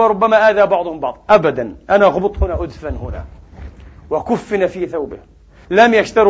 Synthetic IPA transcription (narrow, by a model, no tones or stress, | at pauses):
ɾʊbːamaʔaːðabɑʕd̪ˤʊhʊmbɑʕd̪ˤʔabad̪anʔanaɣʊbɨt̪ˤhʊnaʔʊd̪fanhʊna̰ | wɪkʊfːɪnafiθawbɪh | lamjaʃt̪ɑɾ